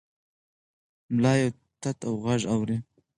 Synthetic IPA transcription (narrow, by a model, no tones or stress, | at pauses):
mlɑːjo | t̪at̪awɣaʒawɾi